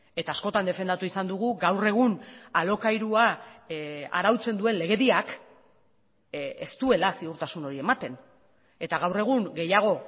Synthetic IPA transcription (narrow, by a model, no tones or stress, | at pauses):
e̞t̪aːsko̞t̪and̪e̞fe̞nd̪at̪uisand̪uɣ̞uɣawre̞ɣ̞unalo̞kajɾua | a̰ɾawt͡se̞nd̪ue̞nle̞ɣe̞ðiak | ḛst̪ue̞lasiuɾt̪asuno̞ɾie̞mat̪e̞n | e̞t̪aɣ̞awre̞ɣ̞uŋɡe̞jaɣ̞o̞